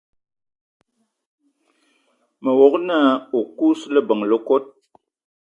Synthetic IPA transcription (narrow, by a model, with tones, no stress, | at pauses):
mə˨wo˨kna˦o˨ku˦slə˦bə˨ŋlə˦ko˦t̚